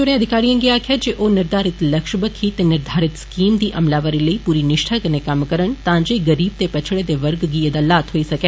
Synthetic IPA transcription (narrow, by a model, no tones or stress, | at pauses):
d͡ʒʊɽ̃ẽəd̪ʱɪkaːɾijãːŋɡiaːkʰjad͡ʒeːʔoːnɪɾd̪aːɾɪt̪lɐkʃbəkʰit̪enɪɾd̪ʱaːɾɪt̪skiːmd̪iːʔɐmlaːʋəɾiləiːpuːɾinɪʃʈʰəknekɐmkəɾəɳt̪ãːd͡ʒeːɡəɾiːb̚t̪epɐt͡ʃʰɽed̪eʋəɾɡɡiːed̪aːlaːt̪ɦoːisɐkeː